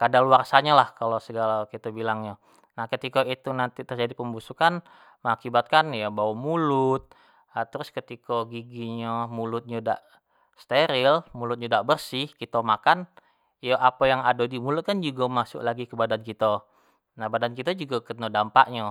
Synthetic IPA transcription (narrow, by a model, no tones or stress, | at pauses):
kadaluarsaɲalahkalosəɡalakit̪abilaŋɲa | nahkət̪ikait̪unant̪it̪ərd͡ʒadipəmbusukan | məŋakibat̪̚kanjabawamulʊt̪̚ | at̪əɾʊskət̪ikaɡiɡiɲamulʊt̪̚ɲada̰ʔ | st̪eɾɪlmulʊt̪̚ɲadaʔbərsɪhkit̪əmakan | jaʔapajaŋadodimulʊt̪̚kand͡ʒuɡamasʊ̰klaɡikəbadankit̪ə | nahbadankit̪əd͡ʒuɡakəənodampa̰ʔɲa